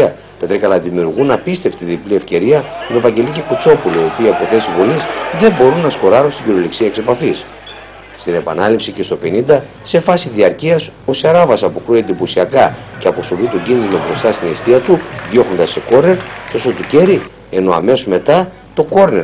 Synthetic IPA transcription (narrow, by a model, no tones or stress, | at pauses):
ɐ | t̪ɐt̪ɾikɐlɐðimiuɾɣunɐpist̪e̞ft̪iðiplie̞fce̞ɾiɐmevɐɲɟe̞licekut͡so̞puloio̞piɐpo̞θe̞sivolisðe̞bo̞ɾunːɐsko̞ɾɐɾunst̪iɟiɾoliksiɐekse̞pɐfis | st̪ine̞pɐ̰nɐlipsice̞st̪o̞pe̞nind̪ɐ | se̞fɐsiðiɐɾciɐso̞sɐɾɐvɐsɐpukɾuend̪iposiɐkɐceɐpo̞so̞vit̪o̞ɲɟinðino̞bɾo̞st̪ɐst̪inest̪iɐt̪uðjo̞xo̞nd̪ɐse̞ko̞ɾne̞ɾt̪o̞sot̪uce̞ɾi | e̞no̞ɐ̰me̞some̞t̪ɐ | t̪o̞ko̞ɾne̞ɾ